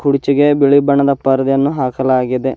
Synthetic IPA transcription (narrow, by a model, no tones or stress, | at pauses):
kuɽit͡ʃiɡe̞biɭibɐɳɐd̪ɐpɐɾɐd̪jɐnːuɦaːkɐlaːɡid̪e